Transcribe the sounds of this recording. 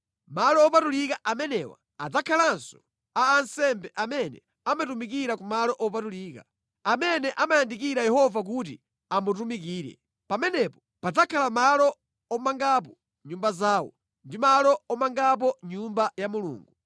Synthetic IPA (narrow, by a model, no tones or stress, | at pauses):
malɔːpatulikaʔamɛnɛwa̰ | ad͡zakʰalansɔ̥ | aːnsɛmbɛʔamɛnɛ̰ | amatumikiɾakumalɔʔɔpatuliːka | amɛnɛʔamajandik̬iɾajɛhɔvak̬ut̬ḭ | amut̬umik̬iːɾɛ̰ | pamɛnɛpɔ̥ | pad͡zakʰalamalɔ | ɔmaŋɡap̬ɔ | ɲumbazaːwɔ̰ | ndimalɔɔmaŋɡap̬ɔɲumbajamulṵːŋɡu